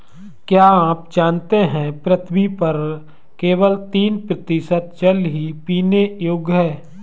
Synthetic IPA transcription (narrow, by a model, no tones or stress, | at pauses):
kjaːaːpd͡ʒaːnt̪eɦɛ̃pɾət̪ʰmipɐɾ | keːʋəlt̪iːnpɾət̪ɪʃət̪̚t͡ʃəlɦipiːnejoːɡɦɛː